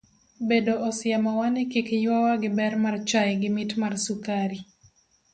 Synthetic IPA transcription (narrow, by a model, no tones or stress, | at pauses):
bedoʔɔsɪamawanɛkikjwawaɡɪbɛrmart͡ʃajɡɪmitmarsukaɾi